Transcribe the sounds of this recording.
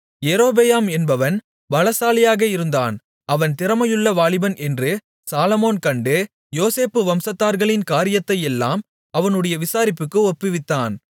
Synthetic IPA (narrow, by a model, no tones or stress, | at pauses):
jɛɾoːbejaːmɛnbɐʋɐn | bɐlɐsaːlɪjaːɣɐɪɾɯnd̪a̰ːn | ɐʋɐnt̪ɪɾɐmɐjɯɭːɐʋaːɭɪbɐnʔɛndrɯ | saːlɐmoːnkɐɳɖɯ | joːseːpːɯʋɐmsɐt̪ːaːɾɣɐɭɪnkaːɾɪjɐt̪ːɐjɛlːa̰ːm | ɐʋɐnɯɽɐjɐʋɪsaːɾɪpːɯkːɯɔpːɯʋɪt̪ːaːn